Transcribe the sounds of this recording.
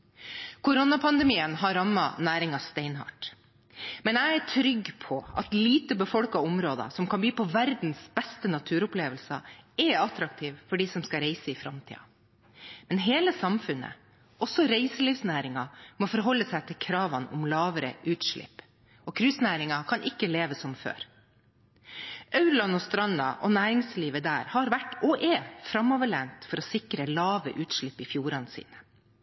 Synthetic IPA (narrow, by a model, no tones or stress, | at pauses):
kʰʊɾʊnɑpʰɑnd̪ɛmiːənɦɑɾɑmːɑ̰næːɾɪŋɑst̪eɪnɦɑ̰ʈ | mɛnæɪæʈʰɾʏɡːpʰɔɑ̰t̪liːt̪əbəfɔlkɑʊmɾoːd̪ɑ̰sɔmkʰɑmb̪iːpɔʋæɾd̪n̩sb̥ɛst̪ənɑt̪ʰʉːɾʊpleːʋəlsɑɛɑt̪ɾɑk̚t̪ʰiːʋfɔɖiːsɔmskɑɾeɪsəɪfɾɑmt̪ʰḭːɑ̰ | mɛnɦeːləsɑmfʉnːə̰ | ʔɔsɔɾeɪsəliːʋsnæːɾɪŋɑmɔfɔɾɦɔlːəsæɪt̪ʰɪlkʰɾɑːʋɑnʊmlɑːʋəɾə̰ʔʉːt̪ʂɭɪ̰pː | ɔkʰɾʉsnæːɾɪŋɑkʰɑnʔɪkːəleːʋəsɔmfø̰ːɾ | ʔɑʉɾlɑnɔst̪ɾɑnɑ̰ʔɔnæːɾɪŋsliːʋəd̪æːɾhɑɾʋæʈːɔʔɛfɾɑmːɔʋəɭænt̪fɔɾɔsɪkɾəlɑːʋə̰ʔʉːt̪ʂɭɪpːɪfjuːɾɑnəsḭːnə̥